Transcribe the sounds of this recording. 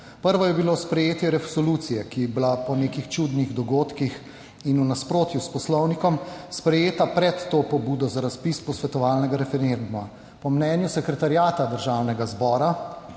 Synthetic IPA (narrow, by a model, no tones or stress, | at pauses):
pəɾʋɔjɛbilospɾɛjeːt̪jɛɾɛsɔlut̪sijɛkiblapɔneːkixt͡ʃud̪niɣd̪ɔɡoːt̪kix | inunaspɾoːt̪juspɔslɔwnikɔmspɾɛjeːt̪apɾɛt̪ːopɔbuːd̪ɔzaɾaspispɔsʋɛt̪ɔʋaːlnɛɡaɾɛfɛɾend̪uma | pɔmnɛnjusɛkɾɛt̪aɾjaːt̪ad̪əɾʒaːwnɛɡazbɔːɾa